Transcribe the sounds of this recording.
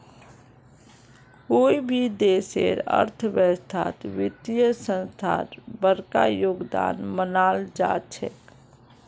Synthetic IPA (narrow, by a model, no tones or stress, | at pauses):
koːibʱid̪eːsḛɾə̰ɾt̪ʰəʋəst̪ʰa̰ːt̪ʋɪt̪ijəsə̃nst̪ʰa̰ːɾbəɾka̰joːɡd̪a̰ːnmənaːld͡ʒa̰ːt͡ʃʰɛ̰